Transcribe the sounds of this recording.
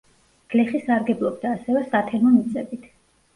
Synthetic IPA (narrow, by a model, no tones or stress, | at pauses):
ɡ̥lɛχisaɾɡɛblˠɔb̚d̪aːsɛvɛsat̪ʰɛnɔmit̪sʼɛbit̪ʰ